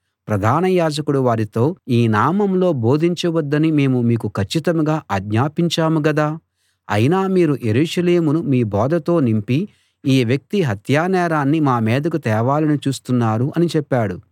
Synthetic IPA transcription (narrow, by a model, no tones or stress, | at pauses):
pɾɐd̪ʱaːnɐjaːd͡ʒɐkuɽuʋaːɾit̪o̞ːiːnaːmɐmlo̞ːbo̞ːd̪ʱiɲt͡ʃɐʋɐd̪ːɐnime̞ːmumiːkukʰɐt͡ʃːit̪ɐmɡaːʔɐɡɲaːpiɲt͡ʃaːmuɡɐd̪aː | ɐ̰jnaːmiːɾuje̞ɾuːʂɐleːmunumiːbɔːd̪ɐt̪o̞ːnimpi | iːʋjɐk̚t̪iɦɐt̪jaːnɛːɾaːnːimaːmɛːd̪ɐkut̪ɛːʋaːlɐnit͡ʃuːst̪unːaːɾuʔɐnit͡ʃɛpːaːɽu